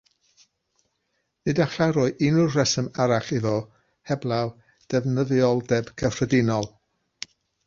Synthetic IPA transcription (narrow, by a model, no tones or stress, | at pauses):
nɨdaɬaɾoɨɪnʊrrɛsəmaɾaɬɪðɔ | hɛblˠaw | d̥ɛvnəðjɔlˠdɛb̥kʰəfrədɪnɔlˠ